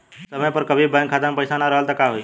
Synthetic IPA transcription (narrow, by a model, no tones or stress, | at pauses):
səməpəɾkəbʱibãŋkʰat̪amepəɪsanaɾəɦəlt̪akaɦoi